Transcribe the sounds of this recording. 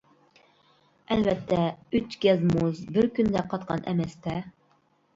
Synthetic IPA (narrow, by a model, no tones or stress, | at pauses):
ɛlvɛt̪ʰːɛyt͡ʃɡʲɛzmuzbɪɾkʲynd̪ɛqʰɑt̪̚qʰɑ̰nʔɛ̰mɛst̪ɛ